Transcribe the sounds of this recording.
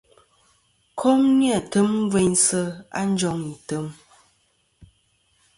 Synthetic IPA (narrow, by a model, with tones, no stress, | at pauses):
kʰo˦mnja˦˨tə˦m˦ve˦ɲsə˦a̰˦n˦d͡ʒɔ˦ŋi˨tə˦m